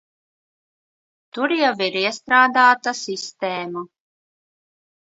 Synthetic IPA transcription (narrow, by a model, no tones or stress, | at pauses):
t̪uɾjɛviɾiɛst̪ɾaːd̪aːt̪asist̪eːmu